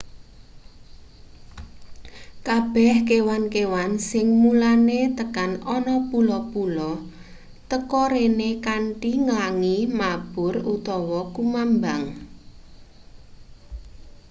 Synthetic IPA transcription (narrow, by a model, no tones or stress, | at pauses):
kab̥ɛhkewankewansɪŋmulanet̪əkanɔnɔpulɔpulɔ | t̪əkɔɾenekaɳʈiŋəlaŋimab̥ʊrut̪ɔwɔkumambaŋ